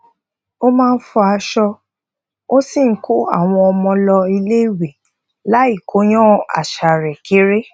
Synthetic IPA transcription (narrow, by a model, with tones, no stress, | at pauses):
o˦mãː˦˧n̩˦fɔ˧a˧ʃɔ˧ | o˦si˦˨˦kʰo˦a̰˦˨w̃ɔ̃˧ɔ˧mɔ̃˧lɔ˧i˧le˦i˦˨we˨ | la˨˦i˦˨kʰo˨˦j̃ɔ̃˦˨a̰˨ʃa˨ɾɛ˨kʰi˨˦ɾe˦